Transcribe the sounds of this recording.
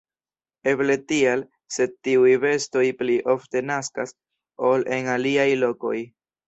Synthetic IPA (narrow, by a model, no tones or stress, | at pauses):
e̞ble̞tial | se̞d̚tiujve̞sto̞jpliʔo̞fte̞naskas | o̞lʔe̞naliajlo̞ko̞j